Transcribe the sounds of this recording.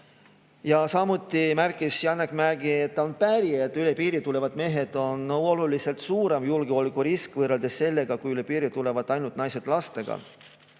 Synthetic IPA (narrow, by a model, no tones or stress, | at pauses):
jɑsɑmut̪ˑːimærkːˑisjɑnːekmæɾɡiet̪ːɑonpæɾiet̪ːˑylepiːɾit̪ule̞vɑd̪me̞ːɦe̞d̪̥o̞nːolulise̞lt̪suːɾe̞mjulɡ̥eolikuɾiskvɤreld̪̥e̞sːe̞lːe̞ɡ̥ɑkujyle̞piːɾit̪ule̞vɑd̪ˑɑjnult̪nɑjse̞d̪̥lɑst̪e̞ɡ̥ɑ̰